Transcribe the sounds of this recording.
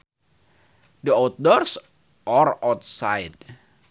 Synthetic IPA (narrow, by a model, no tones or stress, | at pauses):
dəat̪̚dɔrs | ɔrawt̪̚sajd̚